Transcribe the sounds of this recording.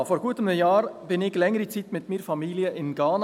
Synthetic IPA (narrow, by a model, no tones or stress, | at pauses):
foːɾɡuːət̪əməjɑːɾb̥ɪnɪɡlɛŋəɾit͡siːt̪mɪt̪miːɾfɑmiːliəʔɪnɡɑːn